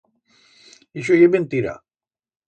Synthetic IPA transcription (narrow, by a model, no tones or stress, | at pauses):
iʃ̬ojebent̪iɾa̰